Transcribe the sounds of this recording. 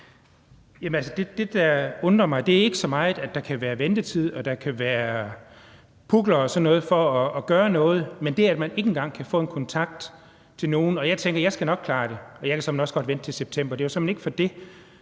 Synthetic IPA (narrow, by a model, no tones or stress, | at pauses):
jæmnælsəd̥e̝d̥e̝d̥ɑɔ̽nd̥ʁɐmɑ̈ɪd̥e̝æɐe̝ɡ̥əsɒ̽mɑ̈ɪð̩ˠæd̥ɑ̈kʰæʋæːɐʋend̥ət͡sʰið̞̰ˠɒ̽d̥ɑ̈kʰæʋæːɐɐ | pʰuɡ̥lɐɒsɒ̽nːɔ̽ːð̞̩ˠfɒ̽ːɡ̥ɶːɐnɔ̽ːð̞̩ˠmend̥e̝æɐæd̥mæne̝ɡ̥en̩ɡ̥ɑ̈ŋ̰kʰæfɔ̰̽ːenkʰɒ̽nt͡sʰɑ̈ɡ̥̚d̥ | t͡sʰe̝lno̝ːn̩ɒ̽jɑ̈ɪt͡sʰeŋɡ̥ɐjɑ̈ɪsɡ̥ænɒ̽ɡ̥̚kʰlɑ̈ːɾ̥e̝ɒ̽jɑɪkʰæsɒ̽menɒsɡ̥ɒ̽d̥ʋen̰d̥t͡sʰe̝lseb̥̚t͡sʰem̰b̥ɐd̥e̝josɒmene̝ɡ̥fɒ̽d̥e̝